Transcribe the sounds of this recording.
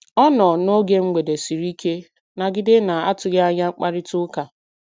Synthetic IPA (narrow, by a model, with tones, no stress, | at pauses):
ɔ˦nɔ˨no˦ɡe˦ŋ͡m̩˦ɡ͡bʷe˨de˨si˨ɾi˦ke˦ | na˨ɡɪ˦dɪ˦na˨a˦tʊ˨ɡe˦a˦ɲa˦ŋ͡m̩˦k͡pa˦ɾɪ˦tʊ˦ka˨